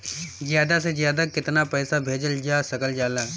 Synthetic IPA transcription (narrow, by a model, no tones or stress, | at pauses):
zɪjaːd̪asezjaːd̪akɪt̪napɛːsabʱeːd͡ʒəld͡ʒaːsɐkəld͡ʒaːlaː